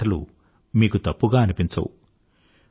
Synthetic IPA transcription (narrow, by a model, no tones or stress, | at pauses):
ɐlṵ | miːkut̪ɐpːuɡaːɐnipiɲt͡ʃɐ̰wu